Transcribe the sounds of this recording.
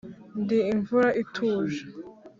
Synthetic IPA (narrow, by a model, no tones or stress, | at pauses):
ndiːɱvuɾaʔitʰuːʒa